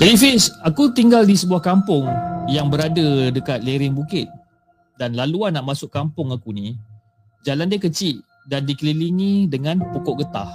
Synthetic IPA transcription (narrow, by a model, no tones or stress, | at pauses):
b̥ɛdifɪsakut̪iŋɡaldisəbuahkampʊŋjaŋbəɾadədəkat̪̚leɾɪnbukɪt̪̚ | danlaluanːaʔmasʊkːampʊŋakunĩ | d͡ʒalandiakət͡ʃiʔ | dandikəliliŋĩdəŋãnpokɔʔɡət̪a̰h